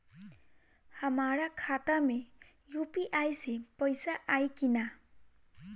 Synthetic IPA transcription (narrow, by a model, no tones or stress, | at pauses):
hʌmaɾakʰat̪ame | jupiʔajsepʌjsaʔajkina